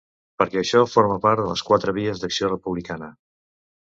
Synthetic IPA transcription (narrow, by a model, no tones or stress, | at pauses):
pəɾkɛːʃɔfoɾməpaɾt̪ðələskwat̪ɾəβ̞iəzd̪əksiorəpuβlikanə